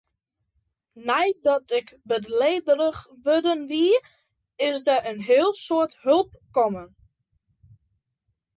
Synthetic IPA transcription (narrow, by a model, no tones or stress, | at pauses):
nɛjdɔtɪkbədleːdələxʋødənʋiə | ɪsdəʔənɦɪəlˠsoəthɵlˠp̚kɔmən